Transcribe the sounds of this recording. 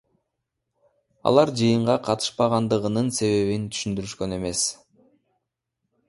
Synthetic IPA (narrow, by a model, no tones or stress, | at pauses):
ɑ̰lˠɑɾd͡ʒɯjɯɴʁɑqʰɑt̪ɯ̥ʃpɑʁɑnd̪ɯʁɯnɯnse̞βe̞βint̪ʰy̥ʃynd̪yɾyʃkø̞ne̞me̞s